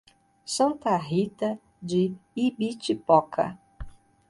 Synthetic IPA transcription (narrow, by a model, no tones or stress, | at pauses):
sɐ̃nt̪aɦit̪a | d͡ʒɪibit͡ʃipɔkʰa̰